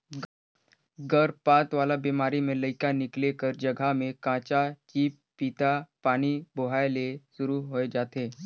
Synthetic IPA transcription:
ɡəɾpat̪ʋalabimaɾimeləjkaniklekəɾd͡ʑəɡʱamekãt͡ɕat͡ʃiːp | pːit̪apaɽ̃ibʱoɦajlesuɾuɦoed͡ʒat̪e

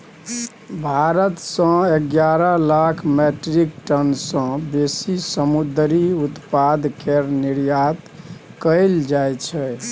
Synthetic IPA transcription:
bʱaɾət̪sə̃eɡjaɾəlakʰmeʈɾikʈənsə̃besisəmud̪ɾiut̪pad̪ʱkeɾniɾjat̪ | kəɪld͡ʒajt͡ʃʰɛ

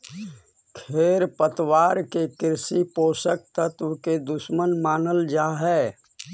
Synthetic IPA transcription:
kʰeːɾpət̪waːɾkekɪɾsipoːsək̚t̪ət̪ʊked̪ʊʃmənmaːnəld͡ʒaːɦɛː

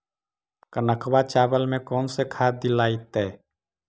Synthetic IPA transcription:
kənəkʰwat͡ʃaːbəlmẽkɔːnsekʰaːd̪ilaːit̪ɛː

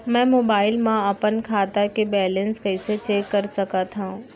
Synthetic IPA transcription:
mɛ̃ːmoːbaːɪlmãɐpənkʰaːt̪akebɛːlə̃nskɐɪset͡ʃeːkːɐɾsɐkat̪ʰaũ

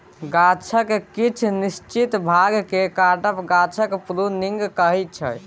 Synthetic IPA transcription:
ɡat͡ʃʰəkkit͡ʃʰnist͡ʃit̪bʱaɡkekaʈəpɡat͡ʃʰəkpluniŋɡkəɦɛt͡ʃʰə̰j

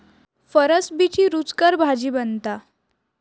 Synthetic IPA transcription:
fəɾəsbit͡ɕiːɾut͡skəɾbʱad͡ʑiːbənt̪a

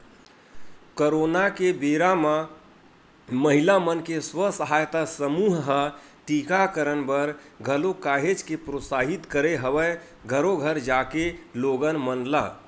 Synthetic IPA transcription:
koɾonakebeɾamã | məɦilamənkeswəsəɦajt̪asəmuɦɦə | ʈikakəɾənbəɾɡʱəlokaɦed͡ʒkepɾosaɦit̪kəɾeɦəʋə | ɡʱəɾoɡʱəɾd͡ʒakeloɡənmənla̰

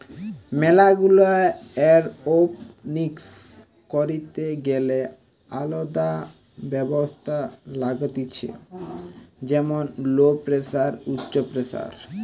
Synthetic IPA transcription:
mɛlaɡulaeɛɾopniks | koɾit̪eɡele | alod̪a | bɛbost̪ʰalaɡot̪it͡ɕʰḛ | d͡ʑɛmonlopɾesaɾutːɕopɾesa̰ɾ

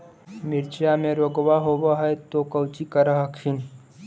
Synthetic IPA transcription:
mɪɾt͡ʃjamẽɾoɡwaɦowaɦɛjt̪okɐwt͡ʃikɐɾaɦakʰin

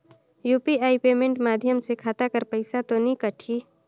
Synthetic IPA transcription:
juːpiaːipeːmẽɳʈmaːd̪ʱjəmsekʰaːt̪akəɾpəɪsat̪onikəʈʰiː

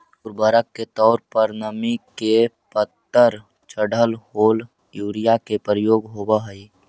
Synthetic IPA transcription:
ʊɾbəɾəkːet̪ɔːɾpəɾnəmikepət̪ːəɾ | t͡ʃəɽəlɦoːl | juːɾijakepɾəjoːɡɦobəɦəi

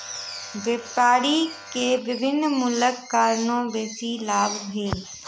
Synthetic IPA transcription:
ʋeːpaːɾikeʋɪbɪnmʊləkːaːɾnõːʋeːsilaːbbʱeːl

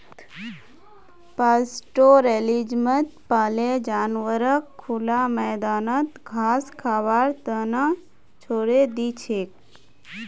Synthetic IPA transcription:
paːsʈoɾelid͡ʒmət̪paːled͡ʒaːnʋəɾəkʰːulaməːd̪aːnət̪ɡʱaːskʰaːʋaːɾt̪əna | t͡ʃʰoːɽed̪it͡ʃʰeːk̚

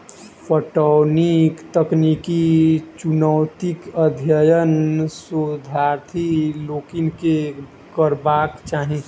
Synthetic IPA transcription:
pʰəʈɔnikt̪əknikit͡ʃunəwt̪ikəd̪ʱjəjənsud̪ʱaːɾt̪ʰiloːkinke | kəɾbaːkt͡ʃaːɦĩ

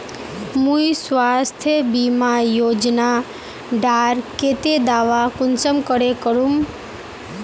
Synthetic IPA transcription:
mũjsʋast̪ʰjəbimajod͡ʒna | ɖaɾket̪ed̪aʋakʊnsəmkəɽekəɾum

